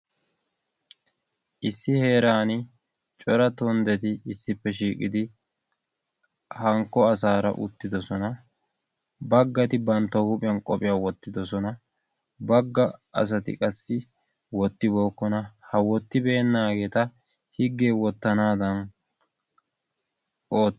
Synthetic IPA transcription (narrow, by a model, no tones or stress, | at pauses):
ʔɪsːɪhe̞ːɾaːnɪ | t͡ʃʼɔɾɐt̪ɔnd̪ɛt̪ɪɪsːɪpːɛʃiːkʼɪ̰d̪ɪ | hɐŋkːɔɐsaːɾɐ̰ʔʊ̰t̪ːɪd̪ɔsɔnɐ | bɐɡːɐt̪ɪbɐnt̪ːɔhʊpʼɪjɐnkʼɔpʼɪjaːwɔt̪ːɪd̪ɔsɔnɐ | bɐɡːɐɐ̰s̬ɐt̪ɪ̰kʼɐsːɪ | wɔt̪ːɪbo̞ːkːɔnɐhɐwɔt̪ːɪbe̞ːnːaːɡe̞ːt̪ɐ | hɪɡːe̞ːwɔt̪ːɐnaːd̪ɐn | oːt̪ː